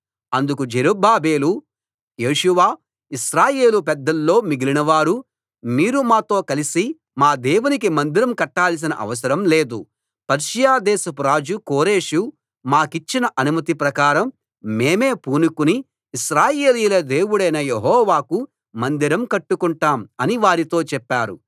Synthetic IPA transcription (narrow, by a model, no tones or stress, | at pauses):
ɐnd̪ukud͡ʒeɾubaːbe̞ːlu | je̞ːʃuʋaː | iʃɾaːje̞ːlupɛd̪ːɐlːo̞ːmiɡilinɐʋaːɾu | miːɾumaːt̪o̞ːkɐlisi | maːd̪eːwunik̬imɐnd̪iɾɐmkɐʈːaːlis̬inɐ̰ʔɐ̰ʋɐs̬ɐɾɐmle̞ːd̪ṵ | pɐɾʃɐjaːd̪ɛːsɐpuɾaːd͡ʒukoːɾe̞ːʂu | maːkit͡ʃːinɐʔɐnumɐt̪ipɾɐkaːɾɐmː | e̞ːme̞ːpuːnukuniː | ʃɾaːjeːliːlɐd̪eːwuɽɐjnɐjeɦɔːʋaːku | mɐnd̪iɾɐmkɐʈːukuɳʈaːmɐniʋaːɾit̪oːt͡ʃɛpːaːɾu